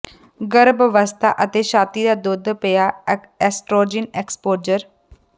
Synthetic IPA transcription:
ɡəɾbʋəst̪ʰa̰ːʔət̪eːʃaːt̪iːd̪aːd̪ʊd̪pejaː | ɛːsʈɾoːd͡ʒɪneːkspoːd͡ʒəɾ

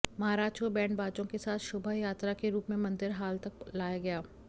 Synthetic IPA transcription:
mɐɦaːɾaːt͡ʃkobɛ̃ːɳɖbaːt͡ʃõkesaːt̪ʰʃʊbʱəjaːt̪ɾakeɾuːpmẽmɐ̃nd̪ɪɾɦaːlt̪ɐk̚laːjaɡɐjaː

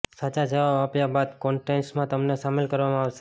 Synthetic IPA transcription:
sat͡ʃad͡ʒəʋaapjabad̪kɔɳʈensmãt̪əmnesamelkəɾʋamãaʋʃe̥

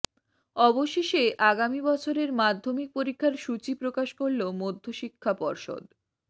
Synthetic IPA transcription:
ɔboʃeʃeʔaɡamibɔt͡ɕʰoɾeɾmad̪ʱːomik̚poɾikʰːaɾʃut͡ɕipɾokaʃkoɾlomod̪ʱːoʃikʰːapɔɾʃo̰d̪

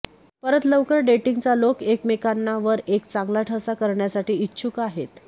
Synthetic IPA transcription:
pəɾət̪ləʋkəɾɖeʈiŋɡt͡salokekmekanːaʋəɾekt͡sãŋɡlaʈʰəsakəɾɳjasaʈiːitːɕʰukaɦet̪

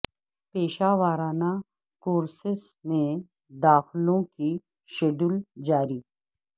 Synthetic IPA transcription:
peːʃaʋaːɾaːna | koːɾsɪsmẽ | d̪aːxlõki | ʃeɖʊld͡ʒaːɾiː

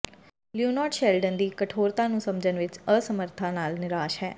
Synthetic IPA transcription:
ljuːnɔːʈʃɛːlɖənd̪iːkəʈʰoːɾt̪ãːnũːsəmd͡ʒənʋɪt͡ʃəsəməɾt̪ʰãːnaːlnɪɾaːʃɦɛː

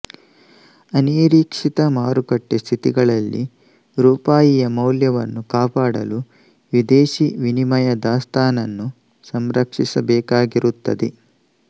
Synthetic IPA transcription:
ɐniːɾiːkʂit̪ɐmaːɾukɐʈːest̪ʰit̪iɡɐɭɐlːḭ | ɾuːpaːjijɐmɐwljɐʋɐnːukaːpaːɽɐ̰lu | ʋid̪eːʃiʋinimɐjɐd̪aːst̪ʰaːnɐnːu | sɐmɾɐkʂisɐbɛːkaːɡiɾut̪ːɐ̰d̪e

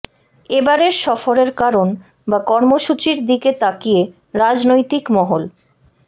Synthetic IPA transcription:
ebaɾeɾʃɔfoɾeɾkaɾon | bakɔɾmoʃut͡ɕiɾd̪iket̪akije | ɾad͡ʑnojt̪ikmɔɦol

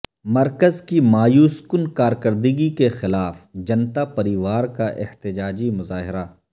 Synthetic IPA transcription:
mɐɾkəzkimaːjuːskʊnkaːɾkəɾd̪iɡikexɪlaːfd͡ʒɐnt̪apɐɾiːʋaːɾkaʔɪ̰ht̪ɪd͡ʒaːd͡ʒimʊzaːɦɪɾaː

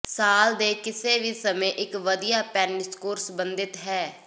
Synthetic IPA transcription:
saːld̪eːkɪseːʋiːsəmẽːʔɪkʋəd̪ijaːpɛːnɪskoːɾsbənd̪ɪt̪ɦɛː

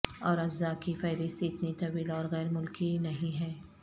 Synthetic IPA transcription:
ɔːɾɐzːakifɐːɾɪst̪iɪt̪nit̪ɐʋiːlɔːɾɣɛːɾmʊlkinɐɦĩɦɛː

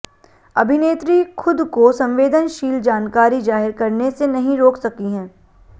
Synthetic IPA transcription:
ɐbʱɪneːt̪ɾixʰʊd̪kosɐ̃mʋeːd̪ənʃiːld͡ʒaːnkaːɾid͡ʒaːɦɪɾkɐɾnesenɐɦĩɾoːksɐkiɦɛ̃ː

